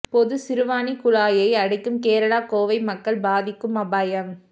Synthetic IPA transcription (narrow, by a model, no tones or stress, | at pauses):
pɔðɯsɪɾɯʋaːnikʊlaːjɐɪɐɽɐɪkːɯmkeːɾɐɭaːkoːʋɐɪmɐkːɐɭbaːðɪkːɯmɐbaːjɐm